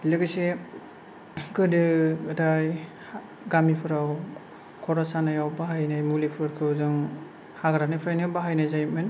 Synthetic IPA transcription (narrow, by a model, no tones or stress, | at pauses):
lɯɡɯse | ɡɯdɯdaj | ɡamipʰɯɾaw | kʰɔɾasanajawbaɦajnajmulipʰɯɾkʰɯwzɯŋ | haɡaɾanajpʰɾajnɯbaɦajnajzajmɯn